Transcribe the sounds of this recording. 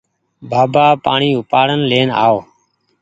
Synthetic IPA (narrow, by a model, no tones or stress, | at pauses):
baːbaːpa̰ːɳiːʊpaːɽənleːna̰ːoː